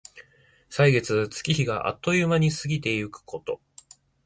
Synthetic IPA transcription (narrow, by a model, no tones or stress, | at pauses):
saiɡe̞t͡sɨt͡sɨ̥kʲiçiɡaʔa̰t̪ːo̞jɯ̟maɲ̟isɨɡʲit̪e̞jɯkɯ̥ko̞t̪o̞